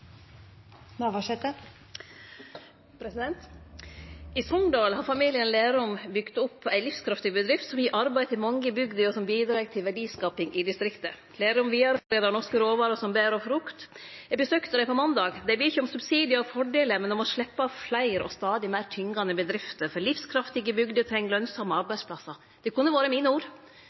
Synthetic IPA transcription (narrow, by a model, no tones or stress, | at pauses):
nɑʋɑʂɛt̪ːə | pʰɾɛsɪd̪ɛnt̪ | ɪsɔnd̪ɑːlhɑɾfɑmiːlɪənleːɾɔmbʏɡ̥t̪ɔpːæɪlɪfskʰɾɑft̪ɪbəd̪ɾɪft̪sɔmjiʔɑɾbæɪt̪ɪlmɑŋːəbʏɡd̪əɔsɔmbiːd̪ɾɑːɡ̚t̪ʰɪlʋæɖiːskɑːpɪŋʔɪd̪ɪst̪ɾɪkt̪ə | leːɾɔmʋiːɑɾfleːd̪ɑɾɳɔʂkəɾoːʋɑːɾəsɔmbeːɾɔfɾʊkt̪ɛɡbəsøːkt̪əd̪æɪpʰɔmɑnd̪ɑːɡd̪æɪbeːɪçəɔmsʉbsiːd̪ɪəɔfɔɖeːləmɛnɔmɔʂɭɛpːɑflæɪɾɔ̰st̪ɑːd̪ɪmæɪɾt̪ʰʏŋːɡɑnəbəd̪ɾɪft̪əɾfɔɾlɪfskʰɾɑft̪ɪɡəbʏɡd̪ət̪ʰɾɛŋːəlœnsɑmːəɑɾbæɪspʰlɑsɑ | d̪̥ɛkʊnːəʋɑːɾəmiːnəuːɾ